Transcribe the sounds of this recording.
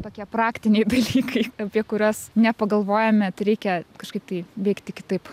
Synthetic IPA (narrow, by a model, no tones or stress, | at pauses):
t̪oːkʲiɛprɑːkt̪ʲɪnʲɛɪd̪ɐlʲiːkʰɐɪɐpʲiɛkʊɾʲoːsnʲɛpɐɡɐlˠʋoːjɛmʲɛt̪ɾʲɛɪkʲɛkɐʃkɐɪp̚t̪ɐɪʋʲɛɪkt̪ʲɪkʲɪt̪ɐɪp